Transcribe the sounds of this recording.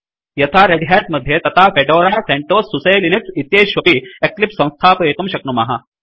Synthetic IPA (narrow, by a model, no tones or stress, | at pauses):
jɐt̪ʰaɾeɖɦasmɐd̪ʱːjet̪ɐt̪ʰafeɖoːɾaːseɳʈoːsːusɐjliniksit̪jeːʃʋɐpieklipsɐ̃w̃st̪ʰaːpɐeːk̪ɐmɕɐk̚numɐɦɐ